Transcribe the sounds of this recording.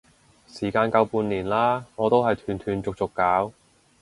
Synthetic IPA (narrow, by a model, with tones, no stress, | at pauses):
siː˨˩kaː˧nkɐ˧wpuː˧nliː˨˩nlaː˥ŋɔː˨˧t̪o˥wɦɐ˨jt̪ʰyː˨˩nt̪ʰyː˨˩nt͡sʊ˨k̚t͡sʊ˨kːaː˨˥w